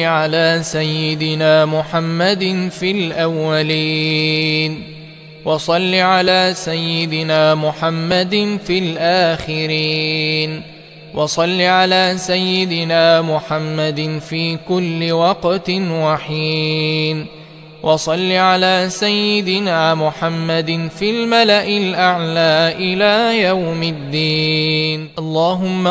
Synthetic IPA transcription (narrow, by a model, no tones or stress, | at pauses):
ʕalaːsajːɪd̪ɪnaːmʊħamːad̪nfilʔawːaliː | n | wɑsˤɑlːiʕalaːsajːɪd̪ɪnaːmʊħamːad̪nfilʔaːxɪɾiːn | wɑsˤɑlːiʕalaːsajːɪd̪ɪnaːmʊħamːad̪ɪnfiːkʊlːɪwɑqt̪nwɑħiːn | wʔɑsˤɑlːiʕalaːsajːɪd̪ɪnaːmʊħamːad̪nfiːlmalaʔɪlʔaʕlaːʔɪlaːjawmɪd̪ːiːnʔɑlˤːɑːɦʊmːa